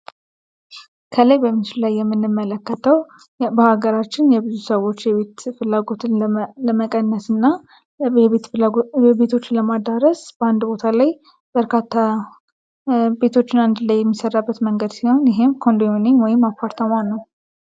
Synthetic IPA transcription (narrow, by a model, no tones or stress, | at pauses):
kʰələjbəmːɨt͡ʃʰɪllajːɛmːɨnːɨmːələkːət̪ʰəw | bəhaɡəɾat͡ʃːɪnjɛbɨzusəwo̞t͡ʃːjɛβet̪fɨlːaɡo̞t̪ʰɨnləməkʼənːəsɨnːa | βet̪ɛbe̞t̪ʰo̞t͡ʃːɪnləmad̪əɾəsb̥əand̪bo̞t̪ʰalaj | bəɾkʰat̪ʰːa | be̞t̪ʰo̞t͡ʃːɪnand̪ɨlajːɛmːisərːabːət̪məŋɡəd̪siho̞njɪɦe̞mkʰo̞nd̪ominenwɔjɪmːapʰːaɾt̪ʰəmanːəw